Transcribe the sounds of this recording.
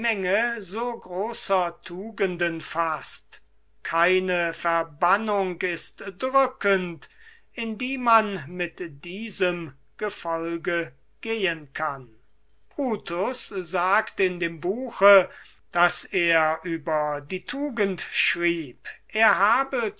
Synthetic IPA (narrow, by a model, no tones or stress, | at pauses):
mɛŋəzoːɡʁoːsɐtʰuːɡəndənfast | kʰaɪnəfɛɐbanʊŋkɪstdʁʏkənt | ɪndiːmanmɪtd̥iːzəm | ɡ̥əfɔlɡə | ɡ̥eːənkʰan | b̥ʁuːtʰʊszaːktɪndeːmbuːxə | d̥aseːɐʔyːbɐdiːtʰuːɡəntʃʁiːpʔeːɐɦaːbə